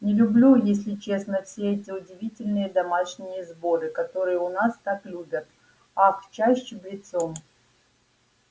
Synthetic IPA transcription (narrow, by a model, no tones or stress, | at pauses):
nʲɪlʲʊblʲujes̬ʲlʲɪt͡ɕe̞snəfsʲeɛtʲɪʊdʲɪvʲitʲɪlʲnɨjəd̪ɐmaʂnʲɪjəzbo̞ɾɨkɐt̪o̞ɾɨjəʊnast̪aklʲubʲət̪̚ | ɐkt͡ɕaɕːɪblʲɪt̪som